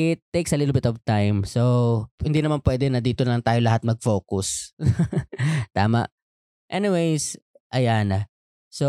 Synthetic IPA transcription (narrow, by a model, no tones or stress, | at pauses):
ɪt̪ːejksɐlɪlʊbɪt̪ovt̪ajmsohɪnd̪iːnɐmanpwɛːd̪ɛnɐd̪iːt̪onlɐŋt̪aːjolɐɦat̪̚mɐɡ̚fo̞ːkʊs | t̪a̰ːma̰ʔ | ʔɛnɪwejs | ʔɐjanɐ | so